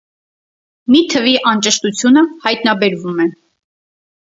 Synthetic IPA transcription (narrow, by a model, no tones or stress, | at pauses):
mit̪ʰəviʔɑnt͡ʃəʃt̪ut͡sʰjunəhɑjt̪nɑbɛɾvumɛ